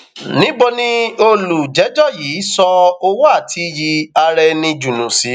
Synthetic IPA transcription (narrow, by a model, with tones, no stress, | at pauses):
nĩ˦bo˧nĩ˦o˧lu˨d͡ʒɛ˨˦d͡ʒɔ˦˨jiː˨˦sɔ˧o˧wo˦a˦˨tʰi˧ji˧a˧ɾɛ˧nĩ˧d͡ʒu˨nũ˨si˨˦